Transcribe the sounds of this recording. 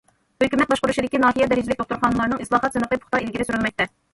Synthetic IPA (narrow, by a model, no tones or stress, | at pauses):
høkʲymɛt̪̚bɑʃqʊɾuʃid̪ɪkʲinɑːɦijɛd̪ɛɾɪd͡ʒɪlɪkt̪oχt̪uɾχɑnlˠɑɾnɨŋɨslˠɑːχɑt̪zɨnɨqəpʰʊ̥χt̪ɑilɡʲiɾɪsyɾynmɛk̚ʲt̪ɛ